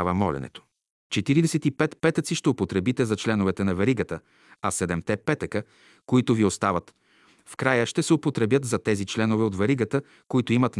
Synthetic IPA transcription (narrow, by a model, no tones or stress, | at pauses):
vəmɔlɛ̰nɛ̰t̪o̥ | t͡ʃɛt̪iɾid̪ɛsɛt̪ipɛt̪pɛt̪ət̪siʃt̪ɛopot̪ɾɛbit̪ɛzɐt͡ʃlɛnovɛt̪ɛnɐvɛɾiɡət̪ə | ɐsɛd̪ɛmt̪ɛpɛt̪əkə | koit̪ʊviost̪avət̪ | fkɾajəʃt̪ɛsɛopot̪ɾɛbjət̪zɐt̪ɛzit͡ʃlɛnovɛot̪vɛɾiɡət̪ə | koit̪oimɐt̪